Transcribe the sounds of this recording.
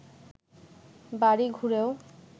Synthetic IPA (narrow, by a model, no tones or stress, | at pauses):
baɾiɡʱuɾeo